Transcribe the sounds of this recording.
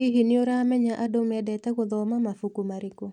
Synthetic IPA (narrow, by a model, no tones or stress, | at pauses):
iɦinɪoɾamɛɲaʔadomɛdɛtɛkoðɔmamafukumaɾiko